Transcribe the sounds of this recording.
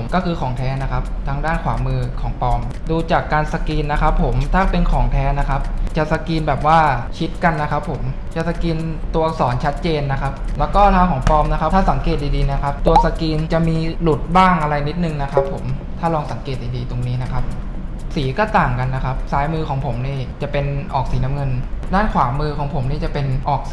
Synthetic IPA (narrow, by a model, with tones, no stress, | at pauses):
mkɔː˥˩kʰɯː˧kʰɔː˩˦ŋt̪ʰɛː˦˥na˦˥kʰa˦˥p̚t̪ʰaː˦˥ŋdaː˥˩nkʰwaː˩˦mɯː˧kʰɔː˩˦ŋpɔː˧m | duː˧t͡ɕaː˨˩kːaː˧nsa˧kiː˧nːa˦˥kʰa˦˥pʰːo˩˦mt̪ʰaː˥˩pe˧nkʰɔː˩˦ŋt̪ʰɛː˦˥na˦˥kʰa˦˥p̚t͡ɕa˨˩sa˧kiː˧nbɛː˨˩p̚waː˥˩t͡ɕʰi˦˥t̪̚ka˧nːa˦˥kʰa˦˥pʰːo˩˦m | t͡ɕa˨˩sa˧kiː˧nt̪u˧ɐsɔː˩˦nt͡ɕʰa˦˥t̪̚t͡ɕeː˧nːa˦˥kʰa˦˥p̚lɛː˦˥wkɔː˥˩t̪ʰaː˧˥˩wkʰɔː˩˦ŋpɔː˧mna˦˥kʰa˦pt̪ʰaː˥˩sa˩˦ŋkeː˨˩t̪̚diː˧diː˧na˦˥kʰa˦˥p̚t̪u˧ɐsa˧kiː˧nt͡ɕa˨˩miː˧lu˨˩t̪̚baː˥˩ŋʔa˧ɾa˧jni˦˥t̪̚nɯ˨˩ŋna˦˥kʰa˦˥pʰːo˨˩˦mt̪ʰaː˥˩lɔː˧ŋsa˨˩˦ŋkeː˨˩t̪̚diː˧diː˧t̪o˧ŋniː˦˥na˦˥kʰa˦˥p̚ | siː˩˦kɔː˥˩t̪aː˨˩ŋka˧nːa˦˥kʰa˦˥p̚saː˦˥jmɯː˧kʰɔː˩˦ŋpʰo˩˦mniː˥˩t͡ɕa˨˩pe˧nʔɔː˨˩k̚siː˩˦na˦˥mŋɤ˧ndaː˥˩nkʰwaː˩˦mɯː˧kʰɔː˩˦ŋpʰo˩˦mniː˥˩t͡ɕa˨˩pe˧nʔɔː˨˩k̚s